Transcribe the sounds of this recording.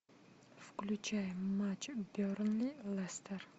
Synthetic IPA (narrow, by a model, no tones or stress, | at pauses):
fklʲut͡ʃʰajmat͡ʃboɾnlilˠɛst̪ʰeɾ